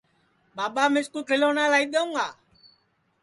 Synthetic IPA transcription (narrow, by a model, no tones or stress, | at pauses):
babamẽskukelɔnãlaidɔŋa